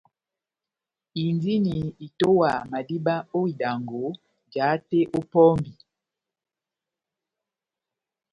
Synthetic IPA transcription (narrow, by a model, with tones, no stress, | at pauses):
i˨ndi˦ni˨i˨to˦wa˨ma˨di˦ba˦o˦i˨da˨ŋɡo˨˦ | d͡ʒa˨˦te˦ʔo˦pɔ˦mbi˨